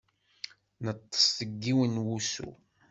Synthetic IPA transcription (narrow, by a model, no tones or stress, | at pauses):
nət̪ˤːə̥sθəɡːiwənwusṵ